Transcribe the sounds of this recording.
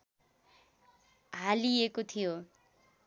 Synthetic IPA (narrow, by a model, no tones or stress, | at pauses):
ɦaliekot̪ʰijo